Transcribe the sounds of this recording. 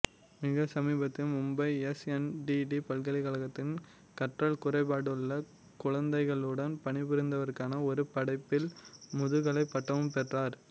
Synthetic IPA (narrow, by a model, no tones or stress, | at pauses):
mɪɣɐsɐmiːbɐt̪ːɪlmʊmbɐɪɛsɛnɖiɖipɐlkɐlɪkɐɭɐɣɐt̪ːɪn | kɐʈrɐɭkʊrɐɪpaːɽɯɭːɐ | kʊɻɐnd̪ɐɪɣɐɭɯɽɐnpɐɳɪbʊɾɪnd̪ɐʋɐɾkaːnɐɔɾɯpɐɽɐɪpːɪlmʊðɯɣɐɭɐɪpːɐʈːɐʋɯmpɛʈraːɾ